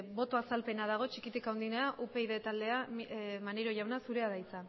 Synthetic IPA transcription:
bo̞t̪o̞asalpe̞nað̞aɣ̞o̞t͡ʃikit̪ikawnd̪ineaʔupe̞iðe̞t̪ald̪e̞amaneɾo̞ʝawnasuɾe̞aðajt͡sa

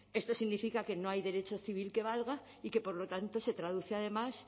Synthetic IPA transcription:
e̞st̪o̞siɣnifikake̞no̞ajðe̞ɾe̞t͡ʃoθiβ̞ilke̞β̞alɣa | ike̞po̞ɾlo̞t̪ant̪o̞se̞t̪ɾað̞uθeað̞e̞mas

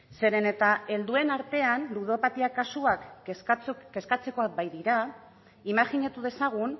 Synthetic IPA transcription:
se̞ɾe̞ne̞t̪ae̞ld̪ue̞naɾt̪e̞anluðo̞pat̪iakasuakt͡ske̞skat͡se̞ko̞ak̚bajðiɾa | imaxiɲat̪uð̞e̞saɣ̞un

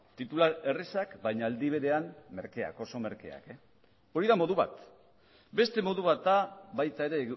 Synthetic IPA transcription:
t̪it̪ulae̞resakbajɲaːld̪iβ̞e̞ɾe̞amme̞ɾke̞a̰ko̞so̞me̞ɾke̞̰a̰ke | o̞ɾiðamo̞ðuβa̰t̪ | be̞st̪e̞mo̞ðuβ̞at̪̚aβajt̪ae̞ɾe̞

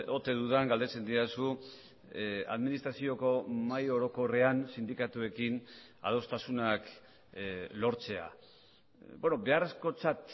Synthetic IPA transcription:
o̞t̪e̞ðuðaŋɡald̪e̞t͡se̞nd̪iasu | a̰ðminist̪ɾasio̞ko̞majo̞ɾo̞ko̞re̞ansind̪ikat̪ue̞kin | a̰ð̞o̞st̪asunak | lo̞ɾt͡se̞a̰ | bo̞no̞be̞are̞sko̞t͡sat̪

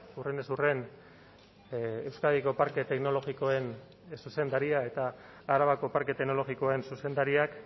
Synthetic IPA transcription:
urenesure̞n | ewskaðiko̞paɾke̞t̪e̞kno̞lo̞ɣiko̞e̞n | suse̞nd̪aɾiae̞t̪aː | ɾaβako̞paɾke̞t̪eno̞lo̞ɣiko̞e̞nsuse̞nd̪aɾiak

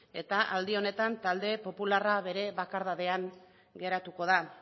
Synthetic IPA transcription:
e̞t̪aʔald̪io̞ne̞t̪ant̪ald̪e̞po̞pularaβe̞ɾe̞βakaɾðaðe̞aŋ | ɡe̞ɾat̪uko̞ð̞a

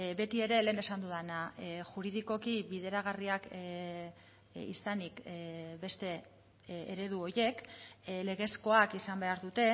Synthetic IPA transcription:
be̞t̪ie̞ɾe̞le̞ːne̞sand̪uðanaʝuɾið̞iko̞kiβiðe̞ɾaɣ̞ariak | ḭsanikbe̞st̪e̞ | eɾe̞ð̞uo̞je̞kle̞ɣ̞e̞sko̞akisambe̞aɾðut̪e̞

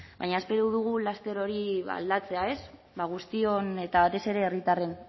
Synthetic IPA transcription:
ba̰jɲaespe̞ɾuðuɣ̞ulast̪e̞ɾo̞ɾia̰ld̪at͡se̞ae̞s | βaɣ̞ust̪io̞ne̞t̪aβat̪e̞se̞ɾe̞ːrit̪are̞n

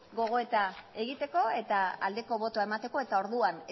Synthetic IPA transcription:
ɡo̞ɣ̞o̞e̞t̪ae̞ɣit̪e̞ko̞e̞t̪aa̰ld̪e̞ko̞βo̞t̪oae̞mat̪e̞ko̞et̪ao̞ɾðuan

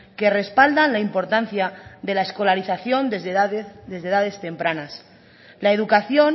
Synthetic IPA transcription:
ke̞re̞spald̪anlaimpo̞ɾt̪an̟θjaðe̞laesko̞laɾiθaθjo̞nd̪ | d̪e̞zðeðað̞e̞st̪e̞mpɾanas | laeð̞ukaθjon

